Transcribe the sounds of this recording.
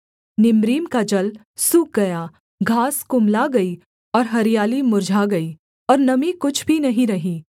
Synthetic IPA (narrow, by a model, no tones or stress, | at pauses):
nɪmɾiːmkad͡ʒɐl | suk̚ɡɐjaː | ɡʱaːskʊmlaɡɐiː | ɔːɾɦɐɾijaːlimʊɾd͡ʒʱaɡɐiː | ɔːɾnɐmikʊt͡ʃʰbʱinɐɦĩɾɐɦiː